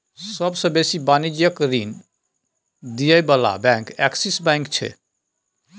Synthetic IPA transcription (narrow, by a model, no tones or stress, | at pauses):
səbsə̃besibanid͡ʒjəkɾin | d̪ijəjbəla̰bɛ̃kɛksisbɛ̃ŋkt͡ʃʰɛ̰